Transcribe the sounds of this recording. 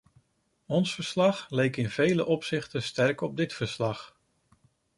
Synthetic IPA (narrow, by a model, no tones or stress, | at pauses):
ɔnsfəɹslɑχlejkɪnvejləʔɔpsɪχtəstɛɹkɔb̚dɪtfəɹslɑχ